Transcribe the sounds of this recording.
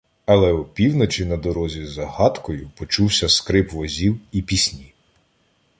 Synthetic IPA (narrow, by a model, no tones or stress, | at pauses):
ɐlˠɛupʲiwnɔt͡ʃʲinɐd̪ɔɾɔzʲizɐhɑt̪kɔjʊpɔt͡ʃuwsʲɐskɾɪpʋɔzʲiwipʲisʲnʲi